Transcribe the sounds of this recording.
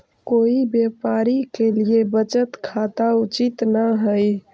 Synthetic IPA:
koibjepaɾikeliebət͡ʃət̪kʰat̪aut͡ʃit̪naɦəj

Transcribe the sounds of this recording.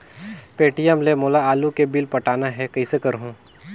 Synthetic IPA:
peːʈijəmlemoːlaaːlukebɪlpɐʈaːnaɦɛkɐisekɐɾɦõ

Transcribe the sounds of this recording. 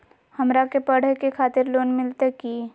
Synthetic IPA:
hɐmɾakepəɽ̤ekekʰaːt̪ɪɾloːnmɪlt̪ekiː

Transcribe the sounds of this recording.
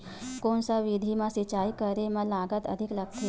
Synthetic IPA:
koɳsaʋid̪ʱimãsit͡ɕajkəɾemalaɡət̪ə̰d̪ʱikləkʰːi

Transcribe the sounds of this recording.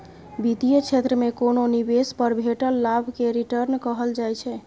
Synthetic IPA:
bid̪ijət͡ʃʰet̪ɾəmekononibespəɾbʱeʈəlːabʱkeɾiʈəɾnkəɦəld͡ʒajt͡ʃʰɛ

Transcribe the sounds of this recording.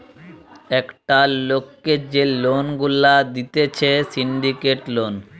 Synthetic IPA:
ɛkʈalokːed͡ʑelonɡulad̪it̪et͡ɕʰesiɳɖikeʈlon

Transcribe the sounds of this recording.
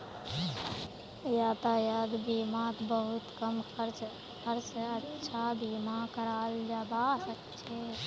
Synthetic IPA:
jat̪əjəd̪bimat̪bəɦut̪kəmkəɾ | kəɾseətːt͡ʃʰabimakəɾald͡ʒabasəkt͡ʃʰɛ

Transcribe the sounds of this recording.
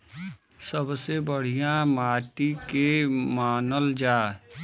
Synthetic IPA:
səbsebəɽ̤ijãmaːʈikemaːnəld͡ʒaː

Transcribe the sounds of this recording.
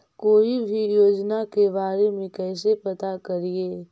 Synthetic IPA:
koːibʱijoːd͡ʒnakebaːɾemẽkɛːsepɐt̪akɐɾieː

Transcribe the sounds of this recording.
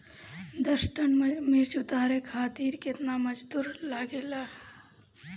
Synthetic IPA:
d̪əsʈənmiɾt͡ʃʊt̪aːɾekʰaːt̪iːɾkɪt̪naməd͡ʒd̪uːɾlaːɡeːla

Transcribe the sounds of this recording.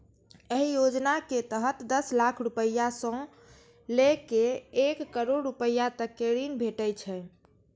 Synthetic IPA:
eɦijod͡ʒnaket̪əɦət̪d̪əslakʰɾupəjasə̃ | lekeekːəɾoɽːupəjat̪əkːeɾinbʱeʈəjt͡ʃʰɛ

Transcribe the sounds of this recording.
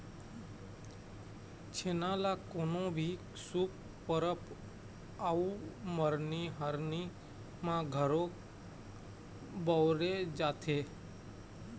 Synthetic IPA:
t͡ʃʰeːnalakoːnõbʱiː | suːkː | əɾəp | auməɾniɦəɾni | mãɡʱəɾo | bɔːɾed͡ʒaːt̪ʰeː

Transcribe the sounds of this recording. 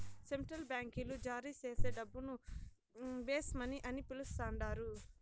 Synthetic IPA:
se̞ɳʈɾɐlbjaːŋkilud͡ʒaːɾiːt͡ʃe̞ːse̞ːɖɐbːunu | ʋeːsmɐniʔɐnipilust̪aːɳɖaːɾu

